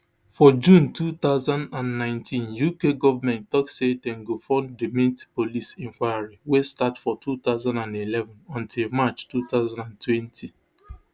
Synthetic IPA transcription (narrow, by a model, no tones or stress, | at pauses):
fɔd͡ʒũntut̪aʊzãndãnnãɪ̃ntʰĩnjukeɡɔvamɛ̃nttɔksetɛ̃ŋɡofɔ̃ndemĩtpolisɛ̃ŋkwajaɹiwestatfɔtʰut̪aʊzãndãndilɛvɔ̃nɔ̃ntilˠmat͡ʃtut̪aʊzãndãntwɛ̃ntʰi